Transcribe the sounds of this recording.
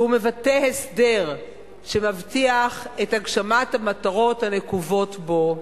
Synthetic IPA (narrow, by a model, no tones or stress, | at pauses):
ume̞vatehesdeʁ | ʃe̞mavtiaχetaɡʃamathamataʁo̞thane̞kuvo̞tbo̞